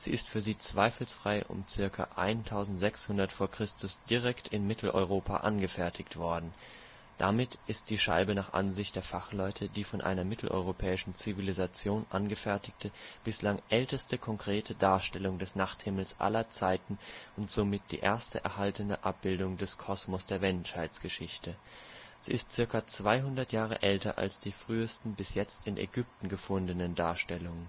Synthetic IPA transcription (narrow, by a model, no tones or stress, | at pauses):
z̥ḭːɪstfyːɐziːt͡sv̥aɪfl̩sfʁ̥aɪʔʊ̰mt͡sɪɐkʰa̰ʔaɪntʰaʊzn̩tz̥ɛkshʊndɐtfoːɐkʁ̥ɪstʊsd̥iʁ̞ɛktʰɪnmɪtʰl̩ʔɔ̰ʏʁ̞oːpʰa̰ʔa̰nɡəfɛɐtʰɪktv̥ɔɐdn̩ | d̥a̰mɪtʔɪst̚d̥iːʃa̰ɪbənaːχʔa̰nzɪçt̚d̥eːɐfaχlɔʏtʰədiːfɔnʔa̰ɪnɐmɪtʰl̩ʔɔ̰ʏʁ̞opʰɛːɪʃn̩t͡sivilizat͡sjoːnʔa̰nɡəfɛɐtɪktʰəb̥ɪslaŋʔɛltəstəkʰɔŋkʁ̥eːtʰədaːɐʃtɛlʊŋdɛsnaχthɪml̩sʔa̰lɐt͡saɪtn̩ʔʊntz̥omɪt̚d̥ḭːʔḛːɐstəʔɛ̰ɐhaltənəʔa̰p̚b̥ɪldʊŋdɛskʰɔsmɔsd̥eːɐmɛnʃhaɪt͡sɡ̥əʃɪçtəz̥ḭːɪst̚t͡sɪɐkɐt͡sv̥aɪɦʊndɐtjaːʁ̞ə̰ʔɛltɐ̰ʔa̰lsd̥iːfʁ̥yːəstn̩bɪsjɛt͡stɪnʔɛ̰ɡʏp̚tn̩ɡəfʊndənəndaːɐʃtɛlʊŋən